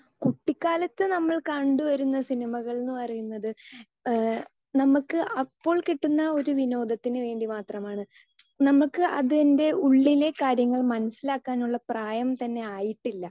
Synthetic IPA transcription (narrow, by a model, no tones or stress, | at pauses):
kuʈːikːaːlɐt̪ːɨnɐmːɐɭkɐɳɖɨʋɐɾunːɐsinimɐɣɐɭnːɨpɐrijunːɐðɨ | nɐmukːɨʔɐpːo̞ːɭkiʈːunːɐo̞ɾuʋino̞ːd̪ʱɐt̪ːinɨʋe̞ːɳɖimaːt̪rɐmaːɳɨ | nɐmːuɭkːɨʔɐ̰ðende̞uɭːile̞kaːɾjɐŋːɐɭmɐnɐsːilaːkːaːnuɭːɐpraːjɐmt̪ɐnːe̞aːjiʈːilːɐ